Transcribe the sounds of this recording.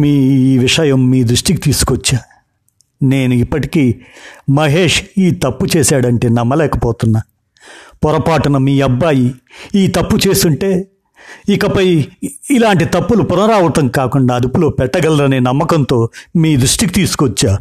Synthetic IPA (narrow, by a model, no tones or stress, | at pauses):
miːiːʋiʂɐjɐmːiːd̪ɾuʂʈikit̪iːsu̥kʋɔt͡ʃːaː | ne̞ːnuipːɐʈikiːmɐɦe̞ːʂiːt̪ɐpːut͡ʃeːsaːɽɐɳʈe̞ːnɐmːɐlɛːkɐpɔːt̪unːa | pɔɾɐpaːʈɐnɐmiːɐbːaːjiiːt̪ɐpːut͡ʃe̞ːst̪uɳʈe̞ː | ikɐpɐjilaːɳʈit̪ɐpːulupʊnɐɾaːʋɐt̪ɐŋkaːkuɳɖaːɐd̪upulo̞ːpɛʈːɐɡɐlɾɐneːnɐmːɐkɐnt̪o̞ːmiːd̪ɾuʂʈiki̥t̪iːsu̥kɔt͡ʃːaː